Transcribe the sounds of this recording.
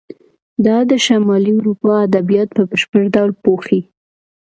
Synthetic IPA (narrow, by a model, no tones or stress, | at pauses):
d̪ɑd̪əʃamɑliʊɾupɑad̪abijɑt̪̚pəbəʃpəɾd̪awlpoxi